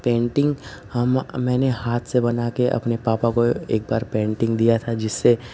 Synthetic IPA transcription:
pẽːɳʈɪ̃ŋɡhɐmmɛ̃ːnehaːt̪ʰsebɐnakeʔɐ̰pnepaːpakoḛːk̚baːɾpẽːɳʈɪ̃ŋɡd̪ijat̪ʰad͡ʒɪsːe

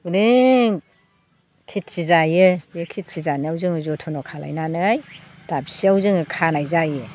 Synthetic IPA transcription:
uɾɯ | kʰit̚sizajɯjekʰit̚sizaniawzɯŋɯzɔtʰɔnɔkʰala̰jnanɯaj | d̥absiawzɯŋɯkʰanajzajɯ

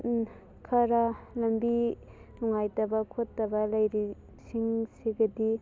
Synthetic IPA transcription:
kʰɐɾalɐmbi | luŋajtɐbɐkʰotːɐbɐlɐjɾi | sʰiŋseɡɐdi

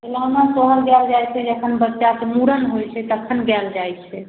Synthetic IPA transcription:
əlanasəɦəlɡɛld͡ʒajt͡ʃʰɛd͡ʒəkʰənbətːʃasemuɾənɦojt͡ʃʰɛt̪əkʰːənɡɛld͡ʒajt͡ʃʰɛ

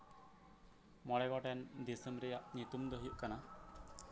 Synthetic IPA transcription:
mɔɽɛɡɔʈɛnd̪isəmɾɛjaʔɲit̪umd̪ɔɦəjuʔkana

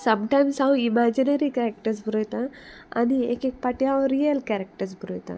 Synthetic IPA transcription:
sɐ̃mʈajmsɦawimad͡ʒineɾikaɾek̚ʈəɾs̬buɾot̪a | ɐ̰niḛkek̚paʈjawɾiɐlkæɾek̚ʈəɾsbuɾojt̪a̰

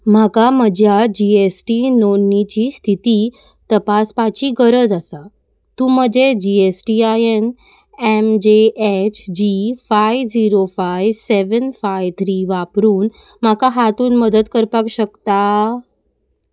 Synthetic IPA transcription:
m̤akaməd͡ʑʱjad͡ʑiesʈinonːit͡ɕiːst̪ʰit̪iː | t̪əpaspat͡ɕiːɡəɾəd͡zasa | t̪ũːm̤əd͡ʑed͡ʑiesʈiajen | emd͡ʑeet͡ɕʰd͡ʑifajʋd͡ziɾofajʋseʋənfajʋt̪ʰɾiʋapɾuːn | m̤akaɦat̪uːnməd̪ət̪kəɾpakɕəkt̪a

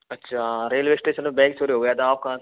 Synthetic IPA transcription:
ɐtːʃʰaːɾeːlʋeːsʈeːsənmebɛ̃ːŋksʰoːɾiɦoːɡəjaːt̪aaːp̚kaã

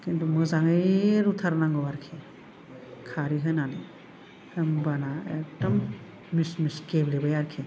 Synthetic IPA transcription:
kintumɯzaŋɯjɾutʰaɾnaŋɡɔwaɾkʰe | kʰaɾiɦɯnani | ɯmbanaek̚dɔmː | ismiskeblebajaɾkʰe

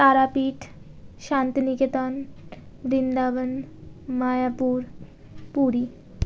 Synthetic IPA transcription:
t̪aɾapiʈʰ | ʃant̪niket̪an | bɾind̪aʋənmajapuɾ | puɾi

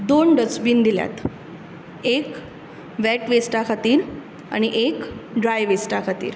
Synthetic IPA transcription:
d̪onɖət͡sbiːnd̪ilja̰t̪ | ek | ʋɛʈʋesʈakʰat̪iːɾ | a̰ñiʔekɖɾajʋesʈakʰat̪ḭːɾ

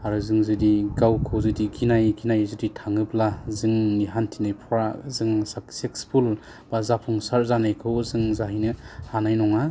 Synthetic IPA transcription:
aɾɯzɯŋzɯdiɡawkʰɯwzɯdiɡʰinajɡʰinajzɯditʰaŋɯplazɯŋniɦantʰinajpʰɔɾazɯŋsaksekspʰul | b̥azapʰuŋsaɾzanajkʰɯwzɯŋzaɦinɯhanajnɔŋa

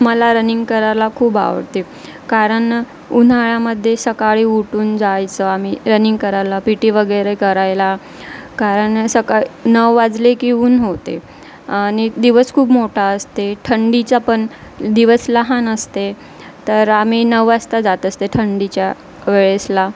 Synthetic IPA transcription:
məlaɾəniŋɡkəɾalakʰuːba̰ʋə̰ɾt̪e | kaɾəɳ | un̤aɭaməd̪ʱːjesəkaɭiːuʈuːnd͡zajt͡səamiɾəniŋɡkəɾalapiʈiːʋəɡəjɾekəɾajla | kaɾəɳsəkaɭinəʋːad͡zlekiuːnɦot̪e | añid̪iʋəskʰuːbmoʈʰaəst̪eʈʰəɳɖit͡sapəɳ | d̪iʋəsləɦanəst̪e | t̪əɾam̤iːnəʋast̪ad͡zat̪əst̪eʈʰəɳɖit͡ɕja | ʋeɭesla

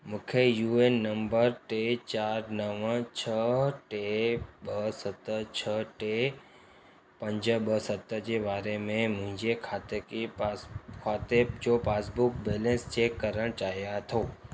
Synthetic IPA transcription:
mʊ̃kʰejuenːəmbəɾʈet͡ɕaːɾnəʋə̃t͡ɕʰəʈeɓəsət̪ət͡ɕʰəʈe | pə̃ɲd͡ʑəɓəsət̪əd͡ʑeːbaːɾemẽmʊ̃ɦɪ̃ɲd͡ʑekʰaːt̪ek | kʰaːt̪ed͡ʑopaːsbʊkbeːlẽnst͡ɕeːkːəɾəɽ̃t͡ɕaːɦijat̪ʰoː

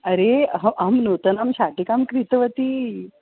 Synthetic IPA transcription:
əɾeɦəʔamnot̪ənamɕaʈikamkɾit̪ʋət̪iː

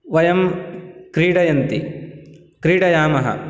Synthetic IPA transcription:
ʋɐjɐmkɾiːɽɐjɐnt̪i | kɾiːɽɐjaːmɐɦɐ̰

